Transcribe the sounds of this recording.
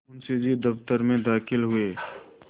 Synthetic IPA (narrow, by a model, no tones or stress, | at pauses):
ʊnsed͡ʒid̪ɐft̪əɾmẽd̪aːxɪlɦʊeː